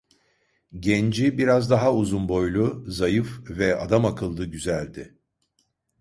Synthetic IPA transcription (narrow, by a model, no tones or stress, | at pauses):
ɟɛnd͡ʒibiɾazd̪aɦauzunbo̞jlˠuzajɯfvɛa̰d̪amakʰɯlˠd̪ɯɟyzælʲd̪ɪ